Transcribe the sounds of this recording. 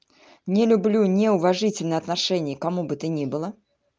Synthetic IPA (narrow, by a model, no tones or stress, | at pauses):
nʲɪlʲʊblʲunʲeʊvɐʐɨtʲɪlʲnɨjɐt̪nɐʂɛnʲɪjəkɐmubɨt̪ɨnʲibɨlˠə